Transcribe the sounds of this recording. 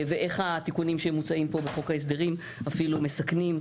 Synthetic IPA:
veʔe̞χhat̪ikunimʃeemːut͡saimpo̞beχo̞kaes̬d̪e̞ʁim | afilume̞saknim

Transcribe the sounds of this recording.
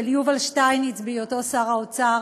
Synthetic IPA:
elijuvalʃtajnit͡sbioto̞saʁaot͡sa

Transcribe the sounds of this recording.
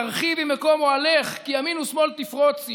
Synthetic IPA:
aʁχivimekomualeχkiaminusmo̞lt̪ifʁot͡s

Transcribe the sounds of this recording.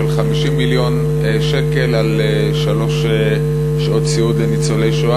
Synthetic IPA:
elχamiʃimːiljo̞n | eʃeke̞lale | ʃalo̞ʃ | e | ʃot̪t͡siud̪lenit͡solejʃoa

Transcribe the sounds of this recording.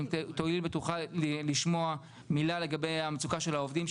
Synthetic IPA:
t̪oiilbet̪uχaliʃmoa | milale̞ɡabejamet͡sukaʃelaovd̪im

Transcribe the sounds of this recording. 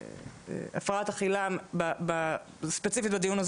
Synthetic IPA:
ḛa̰fʁaat̪aχilambaba | spet͡sifit̪̚bad̪ijunaz

